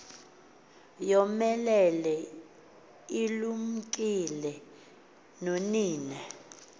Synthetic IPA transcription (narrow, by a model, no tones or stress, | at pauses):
jɔmɛlɛlɛ | ilum̩kʼilɛ | noniːnɛ